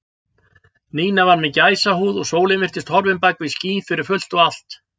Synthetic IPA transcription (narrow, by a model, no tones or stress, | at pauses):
niːnavaɾmɛcaːjsaɦuːðɔɣsoːwlɪmɪr̥t̪ɪst̪hɔɾvɪnpajkvɪsciːfɪɾɪɾ̥fʏl̥t̪ɔɣal̥t̪